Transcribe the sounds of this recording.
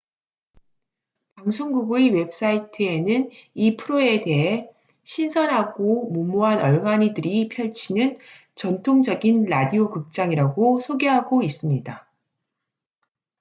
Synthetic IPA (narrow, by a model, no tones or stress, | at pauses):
paŋsʰoŋɡuɡuiwe̞p̚s͈aitʰɯe̞nɯnipʰɯɾoe̞te̞ɦe̞ | ɕʰinsʰʌnɦaɡ̥omumuɦanʌɭɡaɲidɯɾipʰjʌɭt͡ɕʰinɯn | t͡ɕʌntʰoŋd͡ʑʌɡinɾadiokɯk̚t͡ɕ͈aŋiɾaɡosʰoɡeɦaɡois͈ɯmɲida